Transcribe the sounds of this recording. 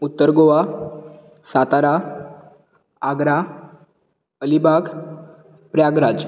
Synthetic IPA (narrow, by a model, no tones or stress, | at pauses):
ut̪ːəɾɡoʋa | sat̪aɾa | aɡɾa | əlibaɡ | pɾjaɡɾad͡z